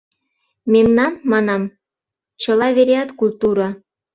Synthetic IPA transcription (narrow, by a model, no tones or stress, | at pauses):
memnɑnmɑnɑm | t͡ɕɤ̆lɑβeɾeɑt̪kulʲt̪uɾɑ